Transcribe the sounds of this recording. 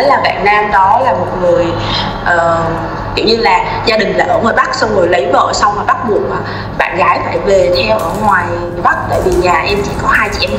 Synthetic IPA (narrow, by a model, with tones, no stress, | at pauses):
laː˨˩va̰ː˧˨nnaː˧mɗɔ˨˦laː˨˩mo˨˩t̚ŋɨ˨˩əj | ʔəː˨˩ | t̪ḭ˧˩wɲɨ˧laː˨˩ | zaː˧ɗï˨˩ŋ̟laː˨˩ʔəː˧˩mə˨˩ɓa˦˥k̚sa˧wŋ͡mŋə˨˩əjlə˨˦jvə̰ː˧˨sa˧wmaː˨˩ɓa˦˥t̚ɓu˨˩ək̚maː˨˩ | ɓa̰ː˧˨nɣaː˨˦jfaː˧˩jve˨˩t̪ʰɛ˧wʔəː˧˩ŋwaː˨˩jjɓa˦˥k̚t̪ə̰ː˧˩jɓi˨˩ɲaː˨˩ʔɛ˧mt͡ɕḭ˧˨kɔ˨˦haː˧jt͡ɕḭ˧˩ʔɛ˧